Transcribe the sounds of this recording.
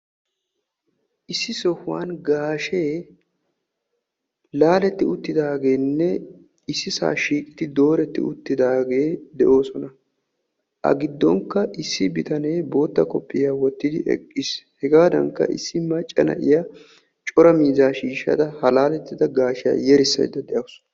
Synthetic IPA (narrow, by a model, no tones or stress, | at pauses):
ʔɪsːɪsɔhwaːnɡaːʃeː | laːlɛt̪ːɪʊt̪ːɪd̪aːɡe̞ːnːɛ | ɪsːɪsa̰ːʃiːkʼɪ̥t̪ɪd̪o̞ːɾɛt̪ːɪ̰ʊt̪ːɪd̪aːɡe̞ːd̪ɛʔo̞ːsɔnɐ | ʔɐ̰ɡɪd̪ːɔŋkːɐʔɪsːɪbɪt̪ɐne̞ːbo̞ːt̪ːɐkʼɔpʼːɪjaːwɔt̪ːɪd̪ɪʔɛ̰kʼːɪshɛɡaːd̪ɐ̰ŋkːɐ̰ʔɪ̰sːɪmɐt͡ʃʼːɐnɐ̰ʔɪjaː | t͡ʃʼɔɾɐmiːzaːʃiːʃːɐ̰d̪ɐhɐlaːlɛt̪ːɪd̪ɐɡaːʃɪjɐ̰jɛɾɪsːɐ̰jd̪ɐd̪ɛʔɐws